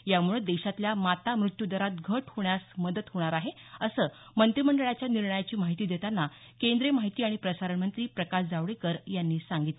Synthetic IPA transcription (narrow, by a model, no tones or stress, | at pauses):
jamuɭed̪eɕat̪ljamat̪amɾut̪jud̪əɾat̪̚ɡʱəʈhoɳjasməd̪ət̪ɦoɽ̃aɾaɦeəsəːmənt̪ɾiməɳɖəɭat͡ɕjaniɾɳəjat͡ɕiːmaɦit̪iːd̪et̪anːa | kend̪ɾemaɦit̪iːaɽ̃ipɾəsaɾəɳmənt̪ɾiːpɾəkasd͡zaʋɽekəɾjanːiːsaŋɡit̪le